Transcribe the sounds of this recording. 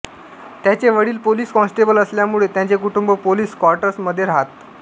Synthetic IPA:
t̪jat͡ɕeʋəɽiːlpoliːskɔ̃nsʈebələsljamuɭet̪jat͡sekuʈumbopoliːskɔɾʈəɾsməd̪ʱːjeɾaɦat̪

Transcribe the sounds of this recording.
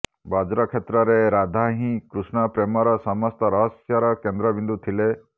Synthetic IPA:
bad͡ʒɾɔkʰet̪ɾɔɾeɾad̪ʱaɦĩkɾusnɔpɾemɔɾɔsɔmɔst̪ɔɾɔɦɔsjɔɾɔkend̪ɾɔbind̪ut̪ʰile

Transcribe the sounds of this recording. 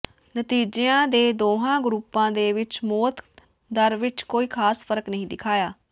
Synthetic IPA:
nət̪iːd͡ʒeãːd̪eːd̪oːɦãːɡɾuːpːãːd̪eːʋɪt͡ʃmoːt̪ | d̪əɾʋɪt͡ʃkoːiːkʰaːspəɾəknəɦĩːd̪ɪkʰaːjaː

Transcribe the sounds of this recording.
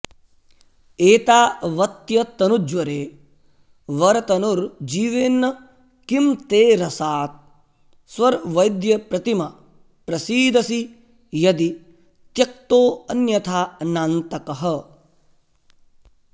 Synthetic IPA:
eːt̪aːʋɐt̪jɐt̪ɐnud͡ʒʋɐɾeː | ʋɐɾɐt̪ɐnuɾd͡ʒiːʋeːnːɐ | kimt̪eːɾɐsaːt̪̚ | sʋɐɾʋɐjd̪jɐpɾɐt̪imɐ | pɾɐsiːd̪ɐsi | jɐd̪i | t̪jɐk̚t̪oːɐnjɐt̪ʰaːnaːnt̪ɐkɐɦɐ

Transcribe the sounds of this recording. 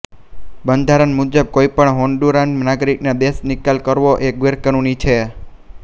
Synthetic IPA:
bənd̪ʱaɾənmud͡ʒəb̚koipəɳɦoɳɖuɾanmnaɡɾiknad̪esnɪkalkəɾʋoʔeɡʋeɾkənunit͡ʃʰe

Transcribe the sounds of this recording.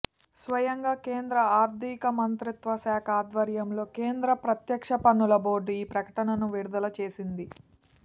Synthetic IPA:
sʋɐjɐŋɡaːke̞ːnd̪ɾɐaːɾd̪ʱikɐmɐnt̪ɾit̪ʋɐsaːkʰaːd̪ʋɐɾjɐmlo̞ːkeːnd̪ɾɐpɾɐt̪jɐkʂɐpɐnːulɐboːɾɖuiːpɾɐkɐ̥ʈɐnɐnuʋiɾud̪ɐlɐt͡ʃe̞ːsind̪i

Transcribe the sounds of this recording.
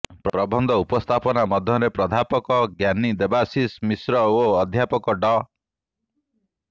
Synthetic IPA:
pɾɾɔbʱɔnd̪ʱɔupɔst̪ʰapɔnamɔd̪ʱjɔɾepɾɔd̪ʱapɔkɔɡjanid̪ebasismisɾɔoɔd̪ʱjapɔkɔɖɔ

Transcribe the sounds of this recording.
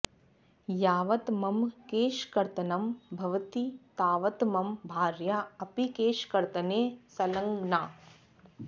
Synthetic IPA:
jaːʋɐt̪mɐmkeːʃkɐɾt̪ɐnɐmbʱɐʋɐt̪it̪aːʋɐt̪mɐmbʱaːɾjaːɐpikeːʃkɐɾt̪ɐneːsɐlɐŋɡnaː

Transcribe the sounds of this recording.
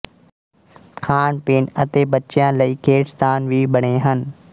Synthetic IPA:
kʰaːɳpeːnɐt̪eːɓɐt͡ʃjãːlɐikʰeːʈst̪aːnʋiːɓɐɽ̃eɦənɪ̆

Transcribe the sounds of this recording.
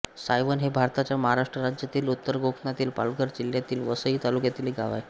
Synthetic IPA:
sajʋənɦebʱaɾt̪at͡ɕjaməɦaɾaʂʈɾəɾad͡ʑjat̪iːlut̪ːəɾɡokʰɳat̪iːlpa̰lɡəɾd͡ʑiljat̪iːlʋəsəit̪alukjat̪iːliɡʱa̰ʋa̰j

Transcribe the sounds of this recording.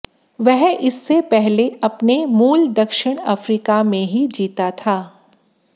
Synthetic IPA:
ʋɛɦɪsːepɛɦleɐpnemuːld̪ɐkʃɪɽ̃a̰fɾiːkamẽɦid͡ʒiːt̪at̪ʰaː

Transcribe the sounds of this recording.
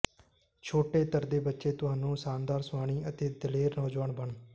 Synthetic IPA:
t͡ʃʰoːʈeːt̪əɾd̪eːbətːʃeːt̪ʊɦaːnũːsaːnd̪aːɾsʊʋaːɽ̃iːʔət̪eːd̪əleːɾnɔːd͡ʒʋaːɳbəɳ

